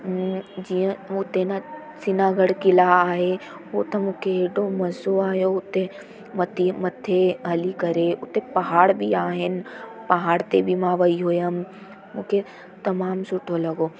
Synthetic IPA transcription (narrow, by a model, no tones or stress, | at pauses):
d͡ʒijə̃ʊt̪ena | sɪnaːɡəɽkɪlaaːɦe | oːt̪ɐmũːkʰeːɖomɐzoaːɦjoʊt̪e | mɐt̪ʰimɐt̪ʰːeɦɐlikɐɾeʊt̪epɐɦaːɽbʱiaːɦɪnpɐɦaːɽt̪ebʱimãʋɐiɦoːjəm | mũːkʰe | t̪ɐmaːmsʊʈʰolɐɡoː